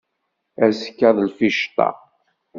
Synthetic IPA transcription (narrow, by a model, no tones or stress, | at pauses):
æzkːæðˤlfiʃt̪ˤɑ̰